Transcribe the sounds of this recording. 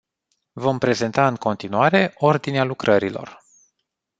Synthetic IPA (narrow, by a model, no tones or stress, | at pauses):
vo̞mpɾe̞ze̞nt̪aɨŋko̞nt̪inuaɾe̞ʔo̞rd̪inealukɾʔəɾilo̞̰r